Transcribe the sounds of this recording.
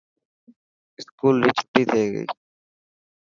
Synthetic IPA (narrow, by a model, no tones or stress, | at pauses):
ɪskuːlːit͡ʃʰʊ̥ʈːit̪ʰeːɡə̰ḭ